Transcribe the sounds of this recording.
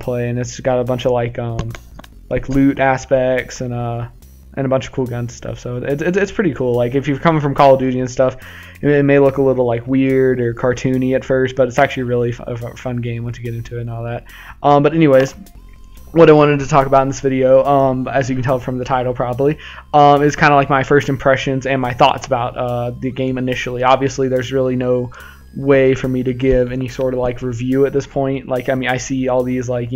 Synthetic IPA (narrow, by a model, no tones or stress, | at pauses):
pʰl̥eɪɨ̃nɨtsɡ̥ɑɾəbʌ̃nt͡ʃʌvlaɪkʌ̃m | lʔaɪkʰlʉɾʔæspɛk̚tsɨ̃nʌ | ʔɨ̰̃nɨbʌ̃nt͡ʃʌv̥kʰulˠɡʌ̃nz̥̩stʰʌ̰fsoʊɪtsɨtsɨtspʰɹ̥ɪɾikʰulˠlaɪkɨfjɨ̥kʰʌ̃mɪ̃ŋfɹʌ̃mkʰɑlˠədʉɾiɨ̃nstʌf | ɪt̚meɪlʊkəlɪɾl̩ˠlaɪkwɪɹɾə˞kʰɑɹtʰʉ̃niɨtfɜ˞st̚b̥ʌɾɨtsæk̚t͡ʃʉl̩ˠiɨɹɪlˠifə̰fʌ̃nɡẽɪ̃mwə̃nsʰɨɡɛɾɪ̃ntʰʉɨn̩ɔlˠðæt̚ | ʔʌ̃mbʌɾɛniweɪz̥ | wʌɾaɪwɑ̃ɾ̃ɨd̚tʰɨtʰɔkəbaʊɾn̩ðɪsvɪɾioʊʌ̃mɨzjɨkn̩tʰɛlˠətfɹʌ̃mðɨtʰaɪɾl̩ˠpʰɹ̥ɑbəbliʌ̃mɨz̥kʰãɪ̃ndəlaɪk̚maɪfɜ˞stɨ̃m̩pʰɹ̥ɛʃɨ̃nzɨ̃nmaɪθɔ̰tsəbaʊt̚ʌðɨɡẽɪ̃mɨnɪʃl̩ˠiɑbviɨsliðə˞zɹɪlˠinoʊ | weɪfə˞miɾɨɡɪvɛnisɔɹɾʌv̥laɪkɹivjʉɨt̪̚ðɪspʰɔ̃ɪ̃nʔlaɪkaɪmĩnaɪsiɔlˠðizlaɪkj